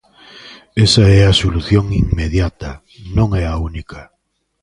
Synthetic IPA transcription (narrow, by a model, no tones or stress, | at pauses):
esɐɛɐsoluθjoŋiŋmeðjat̪ɐ | nõŋɛaunikʰɐ